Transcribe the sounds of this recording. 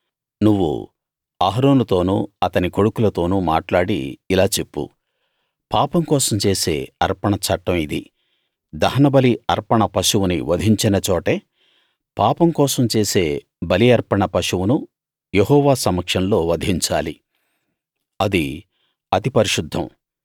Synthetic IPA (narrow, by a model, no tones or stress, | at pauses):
nuʋːṵ | aːɦɾoːnut̪o̞ːnṵɐt̪ɐniko̞ɽukulɐt̪o̞ːnuma̰ːʈlaːɽḭlaːt͡ʃe̞pːṵ | paːpɐmkɔːsɐmt͡ʃe̞ːse̞̰ːɐɾpɐɳɐt͡ʃɐʈːɐmid̪i | d̪ɐɦɐnɐbɐliɐɾpɐɳɐpɐʃuwunḭʋɐd̪ʱiɲt͡ʃinɐt͡ʃɔːʈeː | paːpɐmkɔːsɐmt͡ʃe̞ːse̞ː | bɐliɐɾpɐɳɐpɐʂuwunu | jeɦɔːʋaːsɐmɐkʂɐnlo̞ːʋɐd̪ʱiɲt͡ʃaːli | ɐd̪i | ɐt̪ipɐɾiʂud̪ʱːɐ̰m